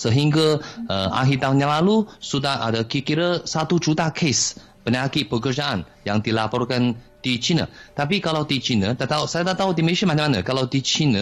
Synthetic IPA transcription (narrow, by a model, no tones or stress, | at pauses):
səɦiŋɡaəʔa̰ɦit̪aunɲjãlalusudaha̰dakikiɾəsat̪ud͡ʒut̪akʰes | pənaakiʔpəkərd͡ʒaʔan | jaŋd̪ilapɔrkan | d̪it͡ʃinã̰t̪apikalawt̪it͡ʃinãd̪aʔt̪asajad̪aʔt̪aud̪iməesiamãt͡ʃãmana̰kalawt̪it͡ʃina